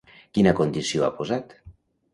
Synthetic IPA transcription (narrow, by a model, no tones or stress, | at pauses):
kinakond̪isioapozat̪